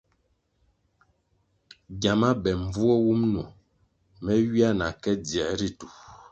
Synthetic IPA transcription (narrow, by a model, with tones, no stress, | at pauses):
ɡja˨ma˦bɛ˨ɱ˨vu˦ɔ˦wu˦mnu˨ | mɛ˦ɥi˦a˦na˨kɛ˦d͡zjɛ˨ʔɾi˦tu˨